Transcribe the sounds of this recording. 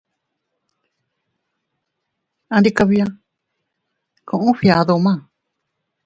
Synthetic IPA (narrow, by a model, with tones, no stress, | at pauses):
ã˧ɾi˧ka˧βi˧a˦˧ | kʰõ˧˨ʔũ˦ɸi˧a˨˧ðo˧mã˦˨